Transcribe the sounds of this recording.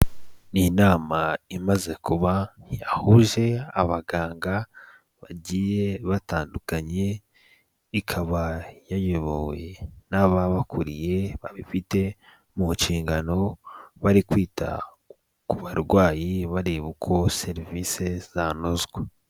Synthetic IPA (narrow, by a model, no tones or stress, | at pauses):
ninaːmaimaze̞kuβajahuʒe̞aβaɡaːŋɡa | βaɟije̞βataːndukaɲe̞ | ikʰaβajajoβowenaβaβakʰuɾije̞βaβifite̞ | muʃiːŋɡano̞βaɾikwiːtʰa̰ | kuβaɾɡwaːjiβaɾeβukʰo̞se̞ɾivise̞z̥anozɡwe